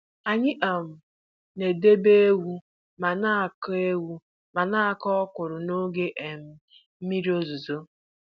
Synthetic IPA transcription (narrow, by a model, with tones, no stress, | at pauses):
a˨ɲɪ˦ʔa˨m̩˨ | ne˨de˦be˦e˦wu˦ | ma˨na˦a˨ke˦wu˦ | ma˨na˦a˨kɔ˦kʊ˨ɾʊ˨no˦ɡe˦ʔe˨m̩˨ | m̩˦mi˦ɾi˦o˦zu˨zo˦